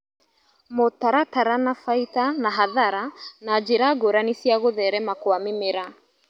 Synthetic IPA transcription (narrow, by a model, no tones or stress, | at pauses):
mʊtaɾataɾanafaitanaɦaðaɾanad͡ʒiɾaɡoɾanisiaɣʊðɛɾɛmakwamɪmɪɾa